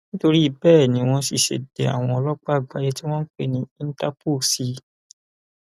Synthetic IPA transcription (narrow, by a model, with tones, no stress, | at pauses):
nĩ˦to˧ɾi˦i˦˧˨bɛː˦˨nĩ˨˦w̃ɔ̃˧si˨ʃḛ˨de˨a̰˨w̃ɔ̃˧ɔ˧lɔ˦k͡pa˦˨ɡ͡ba˧je˧ti˦w̃ɔ̃˦n̩˦k͡pe˦˨nĩ˧˦ĩ˦n̩˦ta˦po˦˨si˧˦